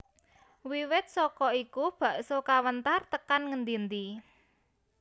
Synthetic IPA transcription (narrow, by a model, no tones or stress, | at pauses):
wiwɪt̪̚sɔkɔikub̥ä̤ʔsokawənt̪art̪əkanŋənd̪ind̪i